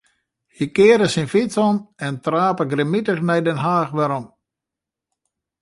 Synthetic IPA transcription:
hikɪːɾəsinfit͡sɔnɛntraːpəɡɾemitəxnɛjdɛnɦaːxʋɛɾɔn

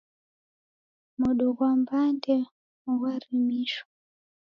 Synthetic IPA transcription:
muɗɔkwambandɛ | uwaɾimiʃɔ̥

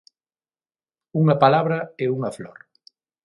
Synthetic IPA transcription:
uŋɐpalaβɾɐeuŋɐflɔɾ

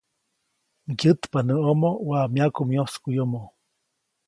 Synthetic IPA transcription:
ɡɨt̪panəomowamjakumjoskujomo

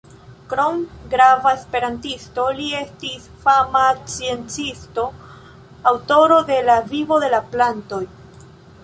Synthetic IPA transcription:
kɾomɡɾavaespe̞ɾantisto̞lie̞stisfamat͡sie̞nt͡sisto̞ | awto̞ɾo̞de̞lavivo̞de̞laplanto̞j

